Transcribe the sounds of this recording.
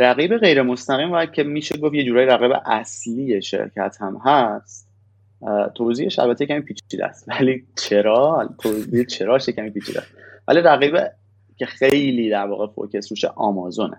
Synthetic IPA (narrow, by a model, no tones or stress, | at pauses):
ɾæɣiːbe̞ɣe̞jɾe̞mo̞st̪æɣiːmvɒjæd̪̚cʰemiːʃeɡofje̞d͡ʒuːɾɒːjɾæɣiːbḛʔæslijeʃḛɾcʰæ̰t̪ʰhæmhæs | t̪ʰoziːhe̞ʃæ̰lbæt̪ʰejecʰæmiːpʰiːt͡ʃʰiːd̪ḛst̪vælit͡ʃʰe̞ɾɒːlt̪ʰoziet͡ʃʰe̞ɾɒːʃjecʰæmiːpiːt͡ʃʰḭːd̪æ̰æ̰st̪væ̰liɾæɣiːbe | cʰexejliːd̪æɾvɒ̰ːɣefo̰cʰe̞sɾuʃeʔɒːmɒːzo̞nḛ